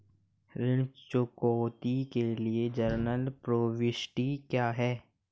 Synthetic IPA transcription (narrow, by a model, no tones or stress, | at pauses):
ɾɪɽ̃t͡ʃʊkoːt̪ikelied͡ʒəɾnəlpɾoːʋɪʃʈikjaːɦɛː